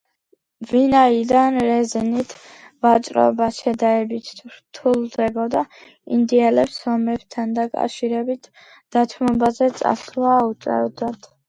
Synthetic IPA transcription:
vinaid̪anɾɛzɛnit̪ʰ | vat͡ʃʼɾɔ̰baʃɛd̪aɛbit̪ʰɾt̪ʰulˠd̪ɛbɔd̪a | ḭnd̪ialɛpsɔmɛbt̪ʰand̪akʼa̰fʃiɾɛbit̪ʰ | d̪̥at̪ʰmɔbazɛt̪sʼa̰sɾuaːut̪sʼɛ̰vd̪at̪ʰ

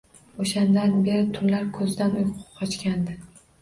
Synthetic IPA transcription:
oʃand̪anbe̞ɾɪt̪ʰʊllaɾkʰɵzd̪anʊjqʰʊ̥p̚qʰɒt͡ʃkʲand̪ɪ

